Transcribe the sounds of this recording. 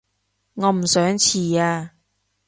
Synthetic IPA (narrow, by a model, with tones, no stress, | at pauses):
ŋɔː˨˧m̩˨˩sœː˨˥ŋt͡sʰiː˨˩aː˧